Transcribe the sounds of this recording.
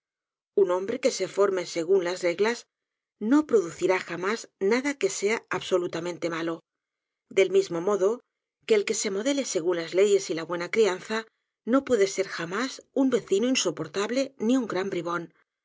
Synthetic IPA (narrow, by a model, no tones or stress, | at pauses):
unõ̞mbɾe̞ke̞se̞fo̞ɾme̞se̞ɣ̞unlazre̞ɣlaz | no̞pɾo̞ðuθiɾaxamaznaðake̞se̞aaβso̞lut̪amẽnt̪e̞malo̞ | d̪e̞lmizmo̞mo̞ðo̞ | ke̞ːlke̞se̞mo̞ðe̞le̞se̞ɣunlazle̞ʝe̞silaβwe̞nakɾianθa | no̞pwe̞ðe̞se̞ɾxamasumbe̞θinoinso̞po̞ɾt̪aβle̞niuŋɡɾambɾiβ̞o̞n